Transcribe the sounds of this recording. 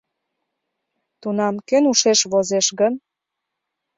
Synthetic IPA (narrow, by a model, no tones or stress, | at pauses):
t̪unɑmkønuʃeʃβozeʃɣən